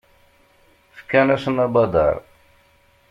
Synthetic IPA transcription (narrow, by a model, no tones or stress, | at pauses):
fə̥kːænæsənɑbɑd̪ˤɑ̰ɾˤ